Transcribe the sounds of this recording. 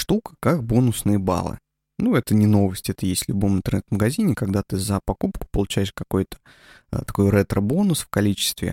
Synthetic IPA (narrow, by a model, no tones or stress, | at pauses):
ʂt̪ukə̥kak̚bo̞nʊsnɨjəba̰lˠɨ̰ | nuɛt̪ənʲɪno̞vəsʲtʲɛt̪əjesʲtʲlʲʊbo̞mɨnt̪ərnɛt̪vməɡɐzʲinʲɪkɐɡd̪at̪ɨzəpɐkupkʊ̥pəlˠʊt͡ɕæjɪʂkɐko̞jt̪ə̥ | t̪ɐko̞jɾɛt̪ɾəbo̞nʊsfkɐlʲit͡ɕɪ̥st̪vʲɪ̰